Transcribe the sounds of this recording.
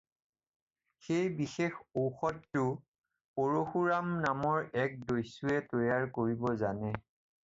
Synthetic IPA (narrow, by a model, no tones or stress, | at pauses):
xejbixexoxɔtːʊ | poɹoxuɹamnamɔɹɛk̚dojsuɛtojaɹkoɹibɔzanɛ